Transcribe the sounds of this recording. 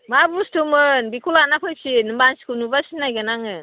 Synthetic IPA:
mabustumɯnbikʰulanapʰɯjsinɯmbansi̥kunubasinajɡanaŋɯ

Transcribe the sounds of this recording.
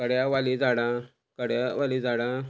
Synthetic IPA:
kəɽjaʋalid͡zaɽã | kəɽjaʋalid͡zaɽã

